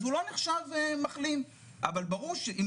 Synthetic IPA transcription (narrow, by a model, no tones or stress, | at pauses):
vulo̞neχʃavemaχlin | ʔa̰valbaʁuʁʃeim